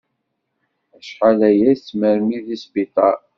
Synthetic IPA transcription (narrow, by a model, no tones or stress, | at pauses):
æʃqalæjæt͡sːməɾmiðisbit̪ˤɑ